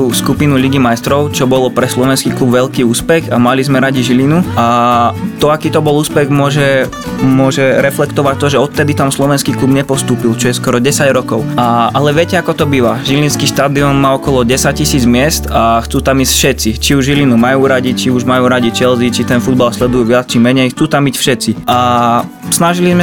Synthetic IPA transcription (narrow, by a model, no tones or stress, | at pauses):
uskupinuliɡimajst̪ɾɔʊt͡ʃɔbɔlɔpɾɛslɔʋɛnskiːklubʋɛʎkiːuːspɛxamalizmɛɾaɟiʒilinuat̪ɔakiːt̪ɔbɔluːspɛɣmʊɔʒɛ | mʊɔʒɛɾɛflɛkt̪ɔʋac̚t̪ɔʒɛɔt̪t̪ːɛd̪it̪amslɔʋɛnskiːklubɲɛpɔst̪uːpilt͡ʃɔjɛskɔɾɔɟɛsaɟɾɔkɔʊaʔalɛʋɪɛcɛakɔt̪ɔbiʋaʒilinskiʃt̪aːd̪iɔnmaːɔkɔlɔɟɛsac̚cːisiːd͡zmɪɛst̪axt͡suːt̪amiːscfʃɛt̪t͡sit͡ʃiuʒʒilinumajuːɾaɟit͡ʃiuʒmajuːɾaɟit͡ʃɛlzit͡ʃit̪ɛnfud̪balslɛd̪ujuʋɪat͡st͡ʃimɛɲɛjxt͡suːt̪amiːcfʃɛt̪t͡siʔa | snaʒilizmɛ